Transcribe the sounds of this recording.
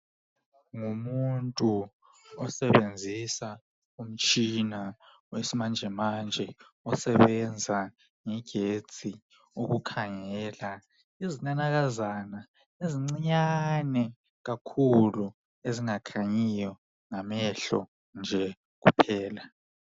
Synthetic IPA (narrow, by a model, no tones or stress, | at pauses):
ŋumuntʼu | ɔsɛɓend͡zʱisa | um̩t͡ʃʼina | wesimand͡ʒʱɛmand͡ʒʱɛ | ɔsɛɓɛnd͡zʱa | ŋɛɡ̥ʱe̥t͡sʼi | uɣ̬ukʰaŋɛːla | izinanak̬azana | eziŋ͡ǀiɲanɛ | ɣ̬akʰulu | eziŋakʰaɲijɔ | ŋamɛɬɔ̰ | nd͡ʒʱɛ | k̬ṵpʰɛːla